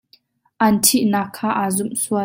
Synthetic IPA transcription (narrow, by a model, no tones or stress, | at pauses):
ʔɐntʰiʔnakʰːaːʔazumsuɐ